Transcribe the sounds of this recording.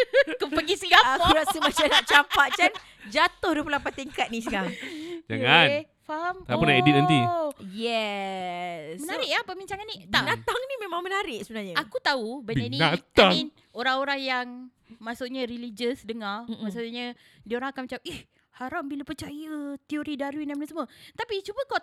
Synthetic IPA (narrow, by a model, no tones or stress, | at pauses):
kəpəɡisəɡakuɾasəmasanaʔt͡ʃampaʔt͡ʃan | d͡ʒat̪ʊhɾupəlapat̪iŋkat̪̚nisəɡaŋd͡ʒa̰ŋan | faɦamt̪apunaedit̪̚ənt̪ijɛ | smənaɾɪʔapəbiɲt͡ʃaŋanːit̪anat̪aŋnimẽmãŋmənaɾɪʔsəbənaɲəakut̪aubanəniat̪aŋn | oɾaŋoɾaŋjaŋ | masuʔɲəɾilid͡ʒəsdəŋarmasuɲə | dioɾaŋakanmət͡ʃap̚ʔɛh | haɾambilapərt͡ʃajət̪ioɾidaɾuinamənasəmuət̪apit͡ʃubəka